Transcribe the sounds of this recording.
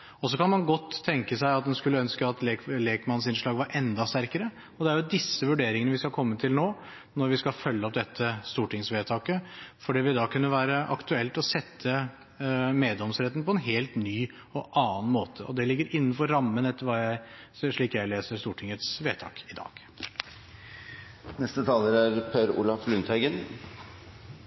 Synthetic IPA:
ɔsɔkʰɑnmɑnɡɔt̪ʰːɛŋkəsæɪɑt̪̚d̪ɛnskʉlːəœnskəɑt̪leːkleːkmɑnsɪnʂɭɑːɡʋɑɾʔɛnd̪ɑst̪æɾkəɾə | ɔd̪ɛæɾjʊd̪ɪsːəʋʉɖeːɾɪŋənəʋɪskɑkʰɔmːət̪ʰɪlnoː | nɔɾʋɪskɑlfœlːəɔp̚d̪ɛt̪ʰːəst̪uːʈɪŋsʋeːt̪ʰɑːkəfɔɖiːʋɪd̪ɑkʰʉnːəʋæːɾəʔɑ̰kt̪ʉɛlt̪ɔsɛt̪ʰːə | meːd̪lɔmsɾɛt̪ːn̩pɔɛnɦeːlt̪nyː | ɔʔɑːnmoːt̪ʰəʔɔ̰d̪ɛlɪɡːəɾɪnːnfɔɾːɑmːənɛt̪ːəɾʋɑːjæɪ | ʂɭiːkjæɪleːsəɾst̪uːʈʰɪŋət̪sʋeːt̪ʰɑ̰ːkɪd̪ɑ̰ːɡ̥ | nɛst̪ət̪ʰɑːləɾæɾpʰøːɾṵːlɑflʉnt̪hæɪɡən

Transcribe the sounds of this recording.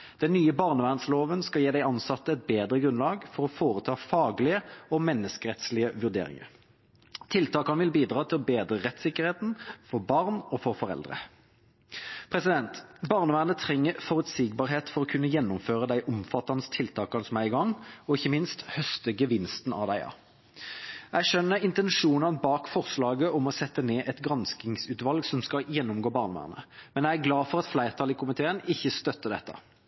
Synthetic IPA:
d̪̥ɛnːyːəbɑʁnəʋæːʁnsloːʋənskɑljeːd̪æɪɑnsɑt̪ːəɛt̪̚beːd̪ʁəɡʁʉnlɑːɡfɔɾɔfoːʁət̪ʰɑːfɑːɡlɪəɔmɛnːəskəʁɛt̪slɪəʋʉʁd̪ḛːɾɪ̰ŋə̰ʁ | t̪ʰːɪlt̪ʰɑːkɑnʋɪlbiːd̪ʁɑːt̪ʰɪlɔbeːd̪ʁəʁɛt̪sɪkəʁheːt̪n̩fɔʁbɑʁnɔfɔʁfɔʁɛ̰ld̪ʁə̰ | pʰɾɛsɪd̪ɛnt̪bɑʁnəʋæːʁnət̪ʰɾɛŋːəfɔʁʉt̪siɡ̚bɑːʁɦeːt̪fɔʁɔkʰʉnːəjɛnːʊmføːʁəd̪æɪʔɔmfɑt̪ːɑnəst̪ʰɪlt̪ʰɑːkɑnəsɔmæɪɡɑŋːɔɪçːəmɪnst̪hœst̪əɡəʋɪnst̪nɑ̰ʋd̪æɪɑ̰ | æʃœnːəɾɪnt̪ɛnʂuːnɑnbɑːkfɔʁslɑːɡəʔɔmɔsɛt̪ːəneːʔɛt̪ɡʁɑnsk̪ɪŋsʉːt̪ʋɑlɡsɔmskɑjɛnːʊmɡoːbɑːʁnʋæ̰ːʁnə̰mɛnjæɪæɡlɑːfɔɾʁɑt̪flæɪʁt̪ʰɑliːkʰʊmɪt̪ʰeːənɪçːəst̪œt̪ːəd̪ɛ̰t̪ːɑ̰

